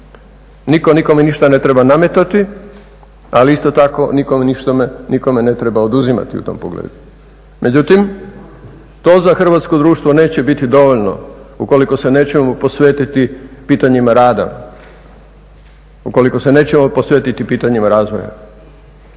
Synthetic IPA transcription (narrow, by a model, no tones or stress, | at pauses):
niko̞niko̞meniʃt̪ane̞t̪ɾe̞baname̞t̪at̪i | aliist̪o̞t̪ako̞niko̞meniʃt̪ameniko̞me̞ne̞t̪ɾebaod̪uzima̰t̪iṵt̪o̞̰mpo̰ɡlḛːd̪u | mʔe̞d͡ʑut̪im | t̪o̞ːzaxr̩ʋat̪sko̞d̪ɾuːʃt̪ʋone̞ːt͡ɕe̞bit̪id̪o̞ʋoʎno̞̰uko̞liko̞se̞ne̞ːt͡ɕeopo̞sʋeːt̪it̪ipiːt̪aɲimaɾaːd̪a̰ | uko̞liko̞se̞ne̞ːt͡ɕemoposʋeːt̪it̪ipiːt̪aɲimaɾaːzʋo̰ja̰